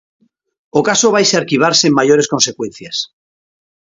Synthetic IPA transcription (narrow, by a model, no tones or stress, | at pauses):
okasoβajseaɾkiβ̞aɾsemːaʝo̞ɾe̞sko̞nse̞kwẽ̞n̟θjas